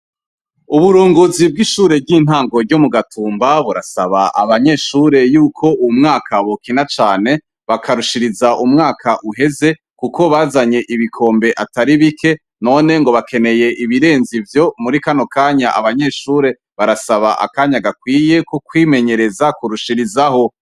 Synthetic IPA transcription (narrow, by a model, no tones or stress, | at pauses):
uβuɾuːŋɡozib̚ɡiʃuːɾe̞bɡiːn̥haːŋɡo̞ɾɟomuɡatʰuːmbaβuɾasaβaʔaβaɲe̞ːʃuːɾe̞juːkʰo̞umŋaːkʰaβokinat͡ʃaːne̞ | βakʰaɾuʃiɾizaʔumŋaːkʰaʔuɦe̞ze̞ | kuko̞βaːzaɲe̞ʔiβikʰo̞ːmbe̞ʔataɾiβikʰe̞ | no̞ːne̞ŋɡo̞βake̞ne̞je̞ʔiβiɾe̞ːnzivjo̞muɾikano̞kaːɲaʔa̰βaɲe̞ʃuːɾe̞ | βaɾasaβa̰ʔa̰kaːɲaɡakwiːje̞kuk̚wiːme̞ɲe̞ɾe̞zakuɾuʃiɾizaho̞